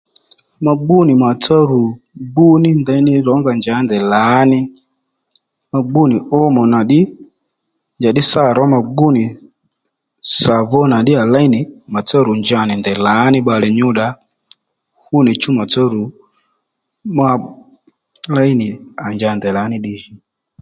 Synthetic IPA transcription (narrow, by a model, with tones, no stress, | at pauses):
ma˨ɡ͡bu˦ni˨ma˨t͡sa˦ɾu˨ | ɡ͡bu˦ni˦ndɛ˨˦ni˦ɾɔ˨˦ŋɡa˨nd͡ʒa˨˦ndɛ˨la˨˦ni˦ | ma˨ɡ͡bu˦ni˨ʔɔ˦mɔ˨na˨ɗi˦ | nd͡ʒa˨ɗi˦sa˦˨ɾɔ˨˦ma˨ɡ͡bu˦ni˨ | sa˨vɔ˦na˨ɗi˦a˨la˦i˦ni˨ma˨t͡sa˦ɾu˨nd͡ʒa˦˨ni˨ndɛ˨la˨˦ni˦ɓa˨lɛ˨ɲu˦ɗa˦ | hu˦ni˨t͡ʃu˦ma˨ta˦ɾu˨ | ma˧ | la˦i˦ni˨a˨nd͡ʒa˧˦˨ndɛ˨la˨˦ni˦ɗi˦hi˦